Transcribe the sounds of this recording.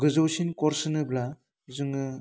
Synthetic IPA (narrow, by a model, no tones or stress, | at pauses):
ɡɯzowsinkɔɾsɯnɯbla | zɯŋɯ